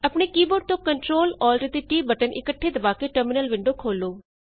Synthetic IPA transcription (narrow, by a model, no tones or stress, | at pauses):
əpɳeːkiːboːɖ̚t̪õːkəɳʈɾoːlɔːlɖɾeːd̪iːʈiːbəʈənʔɪkəʈʰːeːd̪əbaːkeːʈəɾmɪnəlʋɪɳɖoːkʰoːloː